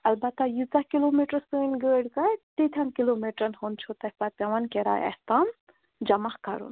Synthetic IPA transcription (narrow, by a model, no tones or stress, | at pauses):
ɐlbɐt̪ːajizakiloːmiʈɾɐsəːnɡəɽkɐjt̪it̪ʰjankiloːmiʈɾɐnhont͡ʃʰot̪ɐhʲpɐpʲɐʋɐnkeɾa̰jɐ̰st̪an | d͡ʒɐmahkɐ̰ɾṵn